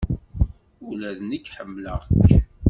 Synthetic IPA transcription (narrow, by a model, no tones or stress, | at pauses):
ulæðnəkːħəmːləʁk